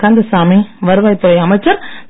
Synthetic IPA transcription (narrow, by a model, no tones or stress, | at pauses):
kaːnd̪ɐsaːmiʋɐɾɯʋaːjt̪ːɯʋɐjɐmɐɪt͡ʃːɐɾ